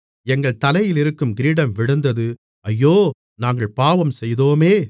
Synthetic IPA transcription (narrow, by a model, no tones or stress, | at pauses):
ɛŋɡɐɭt̪ɐlɐjɪlɪɾɯkːɯmɡɪɾiːɽɐmʋɪɽɐnd̪ɐðɯ | ɐjːoː | naːŋɡɐɭpaːʋɐmsɛjðoːmeː